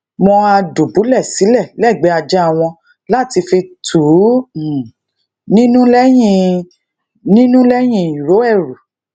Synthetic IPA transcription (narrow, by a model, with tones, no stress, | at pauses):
mɔ̃˧a˧du˨bu˨˦lɛ˦˨si˨˦lɛ˦˨lɛ˦˨ɡ͡bɛ˨˦a˧d͡ʒa˦a˦˨w̃ɔ̃˧ | la˦˨ti˧fi˧tʰu˨˦˨ | nĩ˦nũ˦lɛ˦j̃ĩ˧˨ | nĩ˦nũ˦lɛ˦j̃ĩ˧˨i˨ɾo˨˦ɛ˦˨ɾu˨